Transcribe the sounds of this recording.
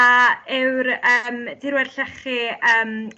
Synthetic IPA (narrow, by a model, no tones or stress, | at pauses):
aɪwɾəmd̥iɾwɛd̥ɬɛχiəːm